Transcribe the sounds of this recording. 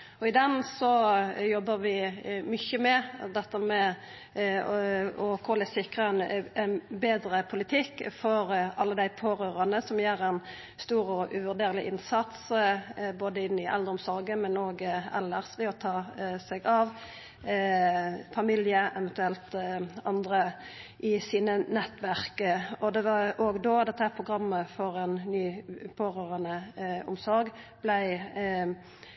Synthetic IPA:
ɔɪd̪ɛnsɔjɔbːəɾʋɪmʏçəmɛd̪ɛt̪ːəmɛ | ɔkʰɔlæsɪkʁəɛnɛnbeːd̪ɾəpʰʊlɪt̪ʰɪkːfɔɾɑlːəd̪æɪpʰoːɾøːɾɑnəsɔmjeːɾɛn | st̪uːɾɔʔʉʋʉʁd̪eːɾəlɪʔɪnsɑt̪s | boːd̪əɪnːɪʔɛ̰ld̪əɾɔmsɔɾɡəmɛnoːɡɛ̰lːəʁsʋɛɔt̪ʰɑːsɛɡɑʋ | fɑmiljəʔɛʋɛnt̪ʉɛlt̪ɑnd̪ʁəʔɪsiːnənɛt̪ːʋæʁkəɔd̪ɛʋɑoːɡd̪oːd̪ɛt̪ːəhæpʰʁʊɡʁɑmːəfɔɾɛnnyːpʰoːɾøːʁɑnəʊ̰msɔɾɡ | b̥læɪ

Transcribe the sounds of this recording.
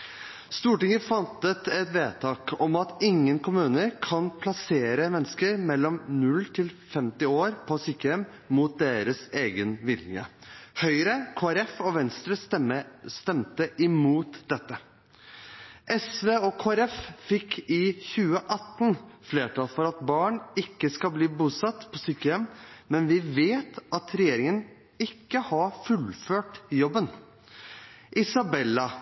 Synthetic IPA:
st̪uːʈɪŋəfɑnt̪ət̪ɛt̪ʋeːt̪ʰɑːkɔmɑt̪ɪŋːənkʰʊmʉːnəɾkʰɑnpʰlɑseːɾəmɛnːəskəɾmɛlːɔmnʉlːt̪ʰɪlfɛmt̪ɪoːɾpʰɔsikəɛm | muːt̪̚d̪eːɾəseːɡənʋɪlɪŋə̰hœʏɾəkʰoːæɾɛfɔʋɛnst̪ɾə | st̪ɛmt̪əʔɪmuːt̪d̪ɛt̪ːə | ʔɛsʋeːɔkʰoːæɾɛffɪkːɪçʉːəʔɑt̪nfleːʈʰɑːlfɔɾɑt̪bɑːɳɪkːəskɑbliːbuːsɑt̪ːpʰɔsyːkəjɛmmɛnʋɪʋeːt̪ʔɑt̪ɾɛjeːɾɪŋən | ɪkːəhɑfʉlføːʈjɔbːən | ʔɪsɑbɛlːɑ

